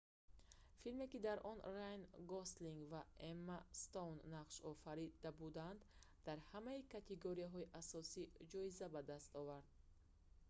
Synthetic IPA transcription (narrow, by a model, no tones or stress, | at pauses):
filme̞kid̪aɾʔɔnrajnɡɔst̪liŋɡvaemːast̪onːaqʃɔfaɾid̪̥abud̪and̪ | d̪aɾhamaikʰat̪ʰeɡoɾiaɦɔiʔasɔsid͡ʒɔizabad̪ast̪ɔvaɾd̪̚